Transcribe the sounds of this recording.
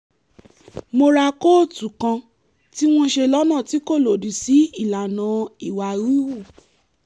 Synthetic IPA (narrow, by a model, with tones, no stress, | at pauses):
mo˧ɾa˧ko˦˨tu˨kã˧ | ti˦w̃ɔ̃˧ʃe˧lɔ˦nã˦˨ti˨˦ko˦˨lo˨di˨si˨˦i˦˨la˨nã˨i˨wa˨ɾi˦wu˦˨